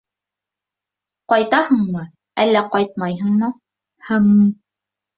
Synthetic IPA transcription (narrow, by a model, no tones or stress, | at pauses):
qɒjt̪ɑhɤɴmɤ | ælːæqɑjt̪̚mɑjɦɤ̆ɴmɤ | hɘm